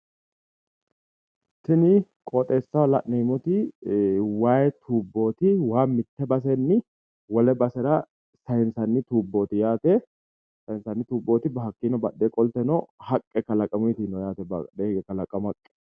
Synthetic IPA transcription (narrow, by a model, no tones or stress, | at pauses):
tɪnɪ | kʼɔt̪ʼeːsːɐlɐ̰ʔnɛmɔt̪ɪ | waːjɛt̪ʰuːbːo̞ːt̪ɪwaːmɪt̪ːɛbɐs̬ɛnːɪ | wɔlɛbɐsɛɾɐ | sɐjɛnsɐnːɪt̪uːbːo̞ːt̪ɪjaːt̪ɛ | sɐjɪnsɐnːɪt̪uːbːoːt̪ɪbɐɦɐkːiːnɔbɐɗːekʼɔlt̪ɛnɔhɐkʼːɛkɐlɐkʼːɐmɔt̪inɔjaːt̪ɛbɐᶑeːɡɛkɐlɐkʼːɐmɐkʼːɛ̥